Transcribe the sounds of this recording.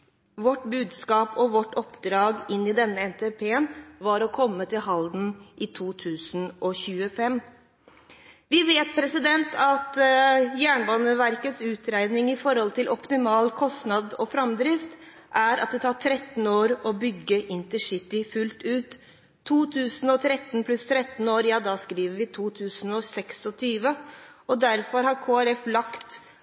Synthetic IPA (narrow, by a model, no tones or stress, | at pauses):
ʋɔʈbʉːd̪skɑːpʰɔʋɔʈɔpd̪ɾɑːɡɪnːɪd̪ɛnːəɛnt̪ʰepʰeːnʋɑɾɔkʰɔmːət̪ʰɪlɦɑld̪n̩ʔɪt̪ʰuːt̪ʰʉːsn̩ʔɔçʉːəfɛmː | ʋɪʋeːt̪̚pʰɾɛsɪd̪ɛnt̪ʰɑt̪jæːɳbɑːnəʋæɾkət̪sʉːt̪ɾæɪnɪŋɪfɔɾhɔlt̪ʰɪlʔɔpt̪ɪmɑːlkʰɔst̪nɑd̪ɔfɾɑmd̪ɾɪft̪ | ʔæɾɑ̰t̪̚d̪ɛt̪ʰɑːʈʰɾɛt̪ːn̩oːɾɔbʏɡːəʔɪnt̪əʂɪt̪ːɪfʉlt̪ʉːt̪ʰː | uːt̪ʰʉːsn̩ɔt̪ʰɾɛt̪ːnpʰlʉst̪ʰɾɛt̪n̩oːɾjɑːd̪ɑskɾiːʋəɾʋɪt̪ʰuːt̪ʰʉːsnɔsɛksɔt̪ʰyːʋəɔd̪æɾfɔɾhɑɾkʰoːæɾɛflɑkt̪